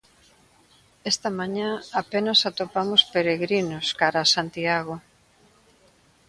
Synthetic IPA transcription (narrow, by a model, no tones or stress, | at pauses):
est̪ɐmaɲãapenasat̪opamospeɾeɣɾinʊskaɾasant̪iaɣo